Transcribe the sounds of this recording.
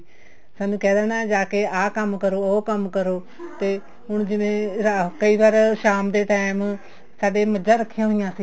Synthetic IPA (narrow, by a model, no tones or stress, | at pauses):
saːnũːkɛːd̪ɛːnãːd͡ʒaːkeːʔaːkəmkəɾoːoːkəmkəɾoː | t̪eː | ɦʊɳd͡ʒɪʋẽːɾakəiːbaːɾʃaːmd̪eːʈaːɪm | saːɖeːməd͡ʒãːɾəkʰːɪjãːɦoɪjãːsiː